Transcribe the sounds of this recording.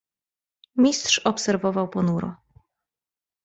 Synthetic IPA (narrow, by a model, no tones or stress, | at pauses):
mʲist̪ʂɔpsɛɾvɔvawpɔnuɾɔ̰